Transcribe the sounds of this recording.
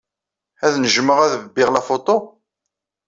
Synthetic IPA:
æðnəʒməʁæðəvbːɪʁlæfot̪ˤo

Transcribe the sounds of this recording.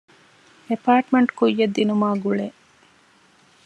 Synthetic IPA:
epaːʈmeɳʈkujːɐd̪ːinumaːɡuɭe

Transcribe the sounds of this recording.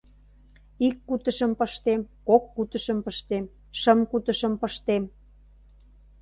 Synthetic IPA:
ikːut̪ə̆ʃə̆mpəʃt̪emkokːut̪ə̆ʃəmpəʃt̪em | ʃəmkut̪ə̆ʃə̆mpəʃt̪em

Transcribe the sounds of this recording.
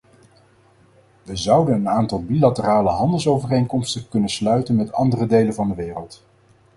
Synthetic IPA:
ʋəzʌwdənənaːntɑlˠbilatəraːləɦɑndəlˠsowvərejŋkɔmstəkɵnənslœɥtənmɛtɑ̰ndərədejlənvɑndəʋɪːrəlˠt

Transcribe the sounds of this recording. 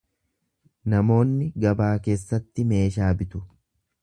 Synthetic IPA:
nɐmo̞ːnːɪɡɐbaːke̞ːsːɐt̪ːɪme̞ːʃaːbɪt̪ʊ

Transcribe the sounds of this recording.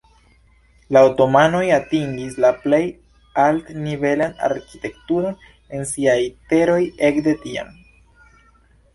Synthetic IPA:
lawto̞mano̞jatiŋɡis̬laple̞j | altnive̞lana̰ɾkite̞k̚tuɾo̞n | e̞nsiajte̞ɾo̞je̞kde̞tia̰m

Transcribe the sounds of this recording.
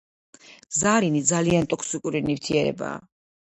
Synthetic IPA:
zaɾinid̪zaliant̪ʼɔkʰsikʼuɾinivt̪ʰiɛɾɛ̰ba̰ː

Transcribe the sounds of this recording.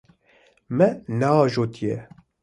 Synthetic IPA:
mɛnɛɑːʒoːt̪ʰijɛ

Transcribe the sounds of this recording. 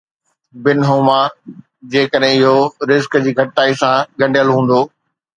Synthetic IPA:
bɪnɦoːmaː | d͡ʑeːkəɗɦɪ̃ɪɦoɾɪzkd͡ʑiːɡʱɐʈaːisãɠɐ̃ɳɖijəlɦũːn̆d̪oː

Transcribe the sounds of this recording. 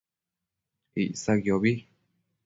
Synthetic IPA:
iʔsaɣjoβi

